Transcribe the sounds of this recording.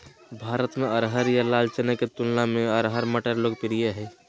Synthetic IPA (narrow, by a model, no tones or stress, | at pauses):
bʱaːɾət̪meəɾɦəɾjalaːlt͡ʃənəket̪ulnamẽəɾɦəɾməʈəɾloːɡ̚piɾijeɦɛː